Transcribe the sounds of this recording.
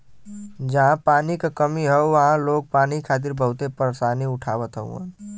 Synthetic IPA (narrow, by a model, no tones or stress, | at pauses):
d͡ʒəɦãpaːnikekəmiɦɛuʋəɦãloːɡ̚paːnikʰaːt̪̬iɾbəɦut̪epəɾsaːniʊʈʰaːʋət̪ɦə̰ṵə̰n